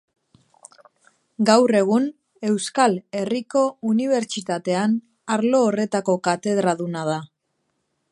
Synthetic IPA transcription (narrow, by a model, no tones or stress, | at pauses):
ɡawre̞ɣ̞un | e̞wskale̞riko̞uniβ̞e̞ɾt͡ʃit̪at̪e̞an | aɾlo̞ːre̞t̪ako̞kat̪e̞ð̞ɾaðunað̞a